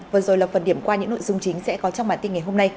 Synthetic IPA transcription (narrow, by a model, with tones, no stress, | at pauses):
vəː˨˩zo˨˩jlaː˨˩fə˨˩nɗi˧˩əmkwaː˧ɲɨ̰˧˥ŋno̰˧˨jzɨ˧ŋ͡mt͡ɕï˨˦ŋ̟sɛ̰˧˥kɔ˨˦t͡ɕɔ˧ŋ͡mɓaː˧˩nt̪i˧nŋa˨˩jɦo˧mna˧j